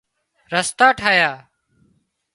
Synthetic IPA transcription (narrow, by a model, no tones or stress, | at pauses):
ɾəst̪aːʈʰaːjaː